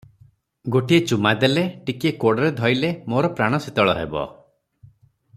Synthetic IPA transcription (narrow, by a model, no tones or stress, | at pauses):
ɡoʈiet͡ʃumad̪eleʈikiekoɽɔɾed̪ʱɔjlemoɾɔpɾaɽ̃ɔsit̪ɔɭɔɦḛbɔ̰